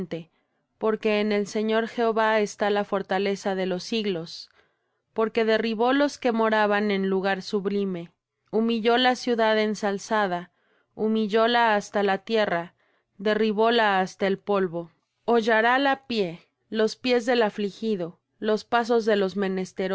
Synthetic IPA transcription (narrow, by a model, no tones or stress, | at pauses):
nt̪e̞ | po̞ɾke̞ːne̞lse̞ɲo̞ɾxe̞oβae̞st̪alafo̞ɾt̪ale̞saðe̞lo̞siɣlo̞s | po̞ɾke̞ðe̞riβo̞lo̞ske̞mo̞ɾaβane̞nluɣaɾsuβlime̞ | umiʝo̞lasjuðaðensalsað̞a | umiʝo̞laːst̪alat̪je̞ra | ðe̞riβo̞laːst̪aelpo̞lβo̞ | oʝaɾalapje̞ | lo̞spje̞zðe̞laflixiðo̞ | lo̞spas̬o̞zðe̞lo̞zmẽ̞ne̞st̪eɾ